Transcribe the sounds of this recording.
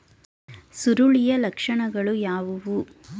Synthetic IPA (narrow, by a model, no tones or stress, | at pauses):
suɾuɭijɐlɐkʂɐɳɐɡɐɭujaːʋuʋu